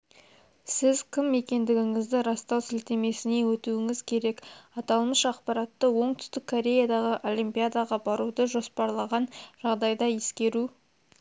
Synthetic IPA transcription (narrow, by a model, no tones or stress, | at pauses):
sɪzkʲʰɪmːe̞kʲe̞nd̪ɪɡʲɪŋɪzd̪ɪɾɑst̪ɑwsɪlt̪e̞me̞sɪne̞wɵt̪uɪŋɪzkʲʰe̞ɾe̞kɑt̪ɑlˠməʃɑqpɑɾɑt̪ːəwo̞ɴt̪ʏ̥st̪ɪkʰːo̞ɾʲe̞jad̪ɑʁəʔo̞lˠimpijad̪aʁɑbɑɾud̪əʒo̞spɑɾlˠɑʁɑnʒ̥ɑʁd̪ɑjd̪ɑje̞skʲe̞ɾu